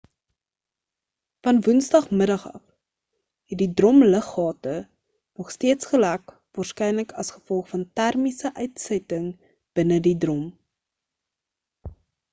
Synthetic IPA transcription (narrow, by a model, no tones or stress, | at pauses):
fɐnvunsdɐχmədɐχɐ̰f | ɦɛt̚didrɔmləχɑːtə | nɔχstiətsχəlæk | vɑːrskɛjnləkɐsχə̥fɔlˠχfɐntærmisəʔœɥtsɛtəŋ | b̥ənədidrɔm